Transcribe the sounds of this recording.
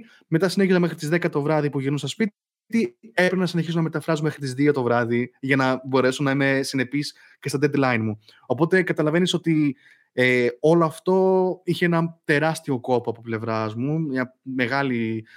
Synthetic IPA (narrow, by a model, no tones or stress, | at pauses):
me̞t̪ɐsine̞çizɐmexɾit̪izðe̞kɐt̪o̞vɾɐðipuʝinunsɐspi | t̪iepɾenɐsineçisonɐmet̪ɐfɾɐzome̞xɾit̪izðiot̪o̞vɾɐðiʝɐnɐbo̞ɾe̞sonɐime̞sine̞pis | ce̞st̪ɐd̪ed̪lɐjnmu | o̞po̞t̪e̞kɐt̪ɐlɐve̞niso̞t̪i | eo̞loɐft̪o̞içeenɐt̪e̞ɾɐst̪io̞ko̞poɐpo̞ple̞vɾɐzmuɲɐme̞ɣɐli